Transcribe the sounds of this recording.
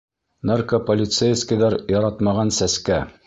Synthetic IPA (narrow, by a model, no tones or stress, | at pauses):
narkopolʲɪt̪sejskɘjðɑɾjɑɾɑt̪mɑʁɑnsæskæ